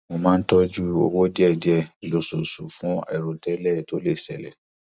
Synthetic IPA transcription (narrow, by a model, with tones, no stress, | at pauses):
mo˧mã˦n̩˦tɔ˦d͡ʒu˦o˧wo˦di˦ɛ˦˨di˨˦ɛ˨lo˨so˨su˨fũ˨˦ɛ̰˦˨ɾo˨tɛ˦lɛ˦˨to˨˦le˦˨sɛ˨lɛ̰˨